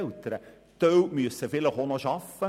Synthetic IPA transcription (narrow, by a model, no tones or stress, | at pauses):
lt̪əɾə | t̪œwmyəsəfɪləχonoʃɑfə